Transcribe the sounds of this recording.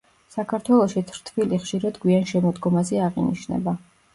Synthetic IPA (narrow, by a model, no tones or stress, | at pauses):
sakʰaɾt̪ʰwɛlˠɔʃit̪ʰɾ̥t̪ʰviliχʃiɾad̪ɡwianʃɛmɔd̪ɡɔmazɛaʁinḭʃnɛ̰ba